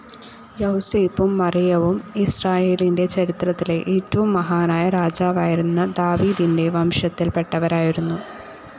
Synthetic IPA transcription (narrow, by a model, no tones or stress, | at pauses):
jɐhuseːpːumːɐrijɐʋumisraːje̞ːlinde̞t͡ɕɐɾit̪rɐt̪ːile̞ʔeːtːɐʋumːɐɦaːnaːjɐɾaːd͡ʑaːʋaːjiɾunːɐd̪aːʋiːd̪inde̞ʋɐmʂɐt̪ːilpe̞ʈːɐʋɐɾaːjiɾunːu